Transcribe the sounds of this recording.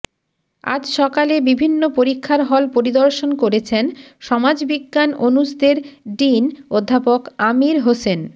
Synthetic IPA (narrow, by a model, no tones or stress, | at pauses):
a̰d͡ʑʃɔkalebibʱinːopoɾikʰːaɾɦɔlpoɾid̪oɾʃonkoɾet͡ɕʰenʃɔmad͡ʑbiɡːanonusd̪eɾɖinod̪ʱːapokamiɾɦosen